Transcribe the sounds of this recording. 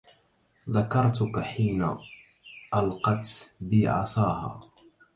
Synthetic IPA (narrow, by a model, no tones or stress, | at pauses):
ðakɑɾˤt̪ʊkaħiːna̰ | ʔalqɑt̪bɪʕɑ̰sˤɑːha̰ː